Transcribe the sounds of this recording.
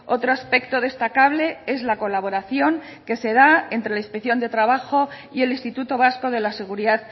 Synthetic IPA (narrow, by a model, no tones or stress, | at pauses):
o̞t̪ɾoaspe̞kt̪o̞ð̞e̞st̪akaβle̞e̞zlako̞laβ̞o̞ɾaθjo̞ŋ | ke̞se̞ð̞aent̪ɾe̞laispekθjo̞nd̪e̞t̪ɾaβ̞axo̞ | ie̞linst̪it̪ut̪o̞β̞asko̞ðe̞lase̞ɣ̞uɾiðað